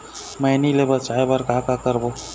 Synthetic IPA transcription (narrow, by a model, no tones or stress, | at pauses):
məjnilebət͡ʃaebaɾkakakəɾbo